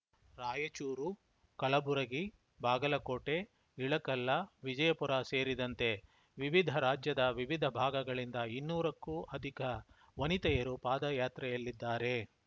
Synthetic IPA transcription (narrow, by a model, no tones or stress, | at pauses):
ɾaːjɐt͡ʃuːɾu | kɐlɐbuɾɐɡi | baːɡɐlɐkoːʈe̞ | iɭɐkɐlːɐʋid͡ʒɐjɐpuɾaːse̞ːɾid̪ɐnt̪e̞ | ʋiʋid̪ʱɐɾaːd͡ʒjɐd̪ɐʋiʋid̪ʱɐbʱaːɡɐɡɐɭind̪ɐinːuːɾɐkːuʔɐd̪ʱikɐ | ʋɐnit̪ɐjɐɾupaːd̪ɐjaːt̪ɾɐjɐlːid̪ːaːɾe̞